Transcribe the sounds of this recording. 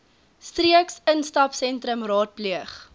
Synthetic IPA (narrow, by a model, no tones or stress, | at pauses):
striəksənstɐpsɛntɾəmrɑːt̚pliəχ